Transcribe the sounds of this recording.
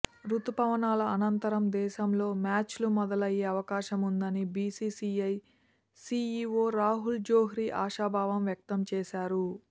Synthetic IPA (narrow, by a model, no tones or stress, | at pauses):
ɾut̪upɐʋɐnaːlɐɐnɐnt̪ɐɾɐmd̪ɛːʃɐmlo̞ːmaːt͡ʃlumɔd̪ɐlɐjeːɐʋɐkaːʃɐmund̪ɐnibiːsiːsiːɐj | siːiːoːɾaːɦuld͡ʒoːɦiɾiʔaːʃaːbʱaːʋɐmʋjɐk̚t̪ɐmt͡ʃɛːʃaːɾu